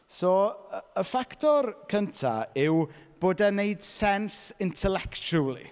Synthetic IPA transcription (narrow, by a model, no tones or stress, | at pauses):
sɔːəəfaktʰɔrkʰəntʰa̰ɪwb̥oːdaneɨd̥sɛnsɪntʰɛlɛkt͡ʃulˠḭ